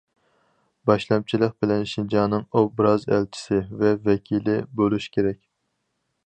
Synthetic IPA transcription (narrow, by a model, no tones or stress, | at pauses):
bɑʃlˠɑm̚t͡ʃʰilˠəq̚bɪlɛnʃind͡ʒɑːnɨŋobɾɑzæ̰lt͡ʃʰi̥sɪvɛvɛkʲʰilɪbolˠuʃkʲʰeɾɛk̚ʲ